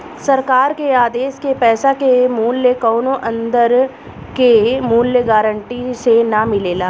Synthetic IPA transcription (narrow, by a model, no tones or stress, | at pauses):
sɐɾkaːɾkeaːd̪eːskepɛːsakemuːljəkɔːnõʔɐ̃nd̪əɾ | kemuːljəɡaːɾəɳʈisenamɪleːlaː